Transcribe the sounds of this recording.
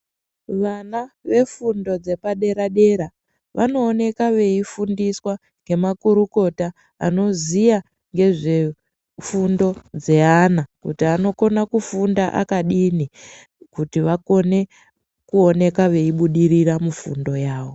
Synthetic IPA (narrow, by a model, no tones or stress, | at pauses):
ʋanaʋe̞fundo̞d͡ze̞paɗe̞ɾaɗe̞ɾa | ʋa̰no̞ːne̞kaʋe̞ifundiswa | ŋɡe̞makuɾuko̞ta | a̰no̞zija | ŋɡe̞ʐe̞ | fundo̞d͡ze̞anakutiano̞ko̞nakufundaʔa̰kaɗini | kutiʋako̞ne̞ | kuo̞ne̞kaʋe̞iɓuɗiriramufṵndo̞jaːʋo̞